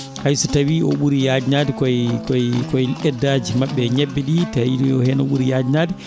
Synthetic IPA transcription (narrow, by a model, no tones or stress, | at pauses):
hajsɔtawiɔ̰ɓuɾijaːd͡ʒinaːdɛkɔjkɔjkɔjʔɛdːaːd͡ʒimaɓːɛɲɛbːɛɗitaiɔhɛnɔ̰ɓuɾijaːd͡ʒinaːdɛ